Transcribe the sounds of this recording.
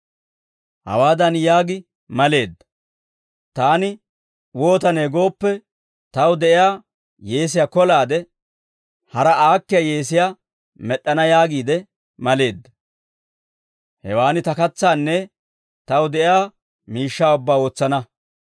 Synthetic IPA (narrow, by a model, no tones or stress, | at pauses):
hɐ̰waːd̪ɐnjaːɡɪ | mɐle̞ːd̪ːɐ̥ | t̪aːnɪ | wo̞ːt̪ɐneːɡo̞ːpːɛ | t̪ɐwd̪ɛʔɪjaː | je̞ːs̬ɪjaːkɔlaːd̪ɛ | hɐɾɐaːkːɪjaje̞ːsɪjaː | mɛɗːɐnɐjaːɡiːd̪ɛ | mɐle̞ːd̪ːɐ | hɛ̰waːnɪt̪ɐkɐt͡sːaːnːɛ | t̪ɐwd̪ɛʔɪjaː | miːʃːaːʊbːaːo̞ːt͡sːɐnɐ